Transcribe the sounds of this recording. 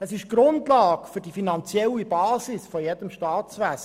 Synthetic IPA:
əsɪʃɡ̥ɾʊndlɑːkfʏɾdifinɑnt͡sjɛlːibɑːsɪsfɔjɛd̥əmʃtɑːt̪sʋæs

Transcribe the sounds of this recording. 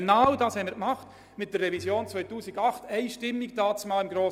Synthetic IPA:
nawdɑːshɛɪməɾkmɑχt | mɪt̚d̥ərːɛvisjoːnt͡svœʏtuːsɪɡɑχtɛɪʃtɪmːɪktɑːtt͡smɑːlɪmɡɾoː

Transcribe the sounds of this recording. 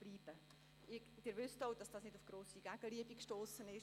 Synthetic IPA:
b̥liːb̥ə | ɪ | d̥ɪːɾʋʏstɔwd̥ɑsd̥ɑːsnɪdʊfɡ̥ɾoːsiɡ̥æɡ̥əliəbikʃtoːsənɪʃ

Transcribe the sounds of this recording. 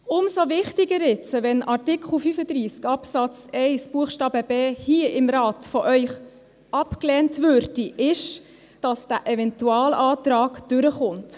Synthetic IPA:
ʊmsovɪχtɪɡəɾɪt͡səvɛnʔɑrtɪkʰχl̩fyfəd̪ɾiːskɑpsɑt͡sɛɪsb̥uəχʃtɑːbəbeːhiːəɪmɾɑːtfɔʔœʏχ | ɑpklɛːntvøɾd̥iʔɪʃ | d̥ɑsd̥æʔɛvɛntuɑːlɑːtɾɑːɡd̥ʏɾəχʊnt

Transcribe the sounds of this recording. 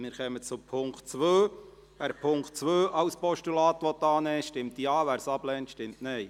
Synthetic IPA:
mɪːɾχɛmət͡sʊpʰʊŋktt͡sʋøː | ʋæːɾpʰʊŋkt̚t͡sʋøːʔɑwspɔʃtulɑːt̪ʋɔt̪ːɑːnɛːʃtɪmt̪iɑːʋæːɾsɑblɛːntʃtɪmtnɛɪ

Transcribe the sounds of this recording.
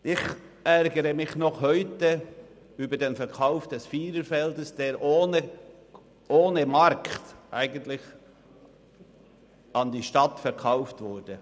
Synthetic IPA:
ʔɪç | ʔɛɾɡəɾəmɪçnɔχhœʏtə | yːbədeːnfɛɾkʰaʊfd̥ɛsfiːɾəfɛldəsd̥eːɾʔoːnə | ʔoːnəmɑɾktʔæɪɡəntlɪç | ɑndiːʃtɑtfɛɾkʰɑʊftvʊɾd̥ə

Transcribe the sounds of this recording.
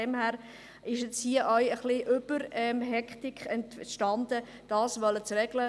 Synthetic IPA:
ɛmhæːɾ | ɪʃɛsiəʔœɥəχlɪʔʏb̥əɾɛmɦɛkχtɪkχɛntʃtɑnd̥̪ə | d̥ɑːsʋœlət͡srɛɡ̥lə

